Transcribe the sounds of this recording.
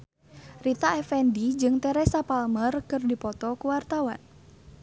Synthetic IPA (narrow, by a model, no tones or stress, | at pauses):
rit̪aɛfɛndid͡ʒɨŋt̪ɛɾɛsapalmərkɨrdipɔt̪ɔkuwart̪awa̰n